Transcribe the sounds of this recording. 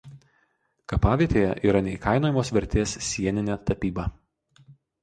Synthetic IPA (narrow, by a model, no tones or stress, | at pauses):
kɐpɑːʋʲiɛt̪ʲeːjɛ̰ʔiːɾɐnʲɛɪkɐɪnoːjɛmoːsʋʲɛɾʲt̪ʲeːsʲsʲiɛnʲɪnʲɛːt̪ɐpʲiːbɑː